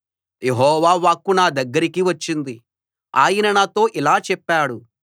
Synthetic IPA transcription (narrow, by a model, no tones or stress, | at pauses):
jeɦɔːʋaːʋaːkːunaːd̪ɐɡːɐɾikiʋɐt͡ʃːind̪i | a̰ːjinɐnaːt̪o̞ːʔilaːt͡ʃɛpːaːɽu